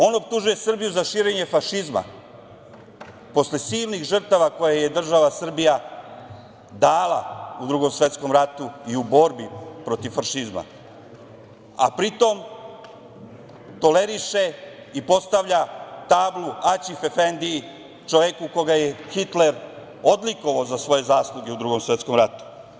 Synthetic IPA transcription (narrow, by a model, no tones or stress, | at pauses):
o̞no̞p̚t̪uʒuje̞sr̩bijuzaʃiːɾe̞ɲe̞faʃizma̰ | po̞sle̞siːlnixʒr̩t̪aʋako̞jaje̞d̪r̩ʒaʋasr̩bija | d̪aːla̰ud̪ɾuɡo̞msʋe̞t̪sko̞mɾat̪uiubo̞ɾbipɾo̞t̪iʋfaʃizma̰ | a̰pɾit̪o̞m | t̪o̞le̞ɾiʃe | ipo̞st̪aʋʎat̪aːbluat͡ɕifefend̪i | t͡ʃoʋjekuko̞ɡajexit̪leɾ | od̪liko̞ʋaozasʋo̞je̞zaːslˠuɡe̞ud̪ɾuːɡo̞msʋe̞t̪sko̞mɾat̪u̥